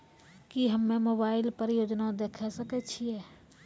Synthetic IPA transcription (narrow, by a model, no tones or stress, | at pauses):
kiɦəmːẽmoːbaːɪlpəɾɪjoːd͡ʒnad̪eːkʰɛsəkɛt͡ʃʰiɛː